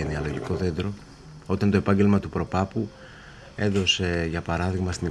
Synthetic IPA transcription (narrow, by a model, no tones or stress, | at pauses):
eniɐlo̞ʝiko̞ðe̞nd̪ɾo̞ | o̞t̪ɐnt̪o̞e̞pɐɲɟe̞lmɐt̪upɾo̞pɐpu | e̞ðo̞se̞ʝɐpɐɾɐðiɣmɐst̪ini